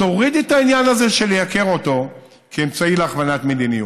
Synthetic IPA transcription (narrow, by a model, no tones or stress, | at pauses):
o̞ʁid̪etainjanaze̞ʃe̞lejake̞ʁo̞to̞ | keːmt͡saileaχvanatme̞d̪iniju